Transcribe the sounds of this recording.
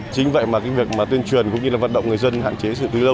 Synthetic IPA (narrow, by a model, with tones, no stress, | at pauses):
t͡ɕï˨˦ŋ̟və̰˧˨jmaː˨˩kaː˧˦k̚vi˨˩ək̚maː˨˩t̪wi˧ənt͡ɕwi˨˩ənkʊ̰˧˥ŋ͡mɲɨ˧laː˨˩vaː˨˩t̚ɗə̰˧˨wŋ͡mŋɨ˩əjzə˧nha̰ː˧˨nt͡ɕe˨˦sɨ̰˧˨t̪ɨ˨˦lə˧w